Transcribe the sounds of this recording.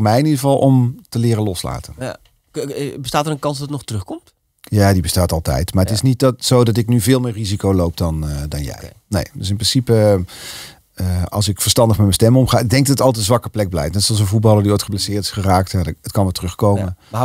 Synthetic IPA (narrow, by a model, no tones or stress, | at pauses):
ɹmɛjɪnidəəvɑlˠʔɔmtəlɪːrənlɔsla̰ːtən | bəstaːtəɾə̃nkɑnsdɑtətnɔχtərɵχkɔmt | jaːdibəstaːtɑlˠtɛ̰jtmaːɹətɪsnit̚tsowdɑt̬ɪknyvɪːlˠmɪːrizikowlowp̚dɑndɑnjɛ̰j | nḛjdøs̬ɪnprɪnsipə | əɑ̰lˠsɪkfəɹstɑndəχmɛtmɛnstɛmɔmχaːɪɡ̚dɛŋɡ̚dɑtətɑlˠtəzʋɑkəplɛɡ̚blɛ̰jftnɛtsɔlˠs̬ənvut̚bɑlˠəɹdiojtχəplasɪːɹtɪ̥sχəraːk̚tjaətkɑnmətərɵχkowmə